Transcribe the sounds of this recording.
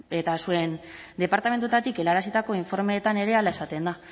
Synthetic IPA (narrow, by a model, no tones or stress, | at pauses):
e̞t̪asue̞n | d̪e̞paɾt̪ame̞nt̪uet̪at̪ike̞laɾasit̪ako̞iɱfo̞ɾme̞ːt̪ane̞ɾe̞alae̞sat̪e̞nd̪a